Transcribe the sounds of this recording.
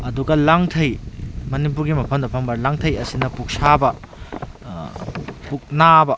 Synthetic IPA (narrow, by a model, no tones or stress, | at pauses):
ɐduɡɐlaŋtʰɐjmɐnip̬uɾɡimɐpʰɐmdɐpʰɐmbɐlaŋtʰɐjɐsinɐpuk̚sabɐ | puk̚nabɐ